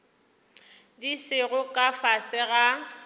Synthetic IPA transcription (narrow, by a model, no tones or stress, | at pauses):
disɪɣʊkʼafasɪɣa